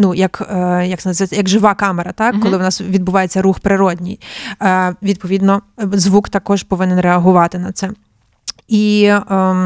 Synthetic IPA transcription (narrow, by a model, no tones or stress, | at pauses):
nujɐkjɐksnzɛjɐɡʒɪʋɑkɑmeɾɐt̪ɑkːɔlˠɪʋnɑsʋʲid̪̚bʊʋɑjet͡sʲːɐɾuxpɾɪɾɔdʲnʲij | ʋʲid̪̚pɔʋʲid̪nɔzʋukt̪ɐkɔʒpɔʋɪnɪnreɐɦʊʋɑt̪ɪnɐt̪sɛ | i